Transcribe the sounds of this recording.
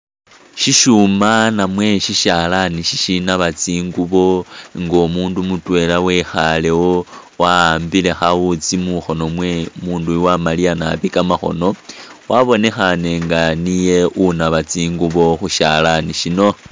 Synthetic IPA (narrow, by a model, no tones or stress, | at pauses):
ʃiʃumanamwe̞ʃiʃalaniʃiʃinaβat͡siːŋɡuβo̞ŋɡo̞muːndumutwe̞lawe̞xale̞wo | waambile̞xaut͡simuxo̞no̞mwe̞muːnduwamalianaβikamaxo̞̰no̞waβo̞ne̞xane̞ŋɡanije̞ʔunaβat͡siːŋɡuβo̞xuʃalaniʃino̞